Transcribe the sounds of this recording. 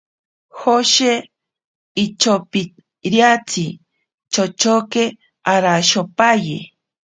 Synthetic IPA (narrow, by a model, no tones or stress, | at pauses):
hoʃe | it͡ʃopi | ɾjat͡sʰi | t͡ʃot͡ʃoke | aɾaʃopajḛ